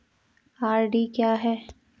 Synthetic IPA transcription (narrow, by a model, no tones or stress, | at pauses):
aːɾɖiːkjaːɦɛː